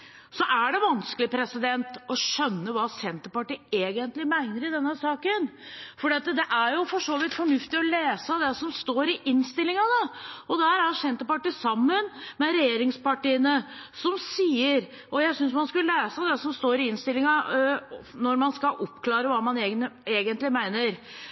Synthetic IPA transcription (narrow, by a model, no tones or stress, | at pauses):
sɔʔæɖɛʋɑnskəlɪpʰɾɛsɪd̪ɛnt̪ɔʃœnːəʋɑːsɛnt̪əpɑʈiːeːɡənt̪lɪmæɪnəɾɪd̪ɛnːəsɑːkənfɔɖiːɑt̪d̪ɛʔæɾjʊfɔʂoːʋɪt̪fɔɳʉft̪ɪɔleːsəd̪ɛsɔmst̪oːɾɪʔɪnst̪ɪlːɪŋɑd̪ɑɔd̪æːɾæɾsɛnt̪əpɑʈiːsɑmːənmɛɾɛjeːɾɪŋspɑʈiːənəsɔmsiːəɾ | ʔɔjæɪsʏns̬mɑnskʉleːsəd̪ɛsɔmst̪oːɾɪɪnst̪ɪlːɪŋɑ | nɔɾmɑnskɑʔɔpːkʰlɑːɾəʋɑːmɑneːɡneːɡənt̪lɪmæɪnəɾ